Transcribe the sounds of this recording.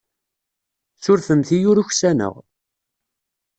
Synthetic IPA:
sʊɾfəmθijʊɾuçsænə̰ʁ

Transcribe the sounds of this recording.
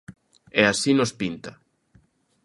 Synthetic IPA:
ɛasinʊspint̪a

